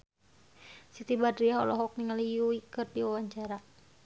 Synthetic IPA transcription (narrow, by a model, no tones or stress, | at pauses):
sit̪ibadɾiaɔ̰lɔɦɔk̚niŋəlijuikɨrdiwawaɲt͡ʃaɾa